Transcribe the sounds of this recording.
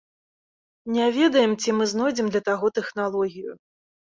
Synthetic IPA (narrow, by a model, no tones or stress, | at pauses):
nʲɛvʲɛd̪ɐjɛmt͡sʲimɨznɔjd͡zʲɛmd̪lʲɐt̪aɣɔt̪ɛxnalˠɔɣʲijṵ